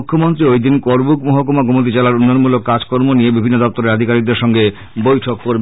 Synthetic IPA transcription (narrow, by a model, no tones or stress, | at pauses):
kʰːomont̪ɾiojd̪inkoɾbukmoɦokomaɡomot̪̬it͡ɕalaɾunːojonmulokːad͡ʑkoɾmoniebibʱinːod̪ɔp̚t̪oɾeɾad̪ʱikaɾiɡ̚d̪eɾʃɔŋɡe | bojʈʰokːoɾb